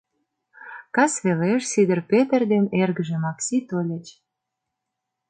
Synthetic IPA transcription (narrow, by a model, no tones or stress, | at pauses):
kɑsβeleʃsid̪ə̆rpet̪ərd̪enerɣə̆ʒĕmɑksʲit̪olʲə̆t͡ɕ